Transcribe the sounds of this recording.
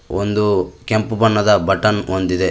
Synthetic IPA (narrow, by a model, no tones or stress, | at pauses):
ond̪ukempubɐɳːɐd̪ɐbɐʈɐnond̪id̪e